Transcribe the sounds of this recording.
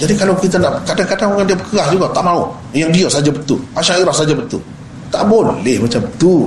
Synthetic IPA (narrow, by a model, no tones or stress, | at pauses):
d͡ʒadikalawkit̪anaʔkadaŋkadaŋoŋandiabəkəɣahd͡ʒuɡat̪aʔmãu | jaŋdiaʔsad͡ʒabət̪ulmaʃaŋiɾahsad͡ʒabət̪ṵl | t̪a̰ʔbollɛhmat͡ʃambət̪ul